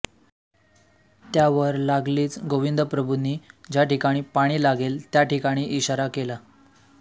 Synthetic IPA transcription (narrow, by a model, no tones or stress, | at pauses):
t̪jaʋəɾlaɡliːt͡sɡoʋind̪ʱəpɾəbʱuniːd͡ʑaʈikaɽ̃iːpaɽ̃iːlaɡelt̪jaʈikaɽ̃iːʔiɕaɾakela